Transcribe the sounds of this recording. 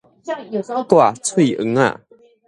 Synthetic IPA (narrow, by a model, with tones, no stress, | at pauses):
t̪wa˥˧˨t͡sʰwe˥˩˨ʔə̰˧˦ŋa̰˥˨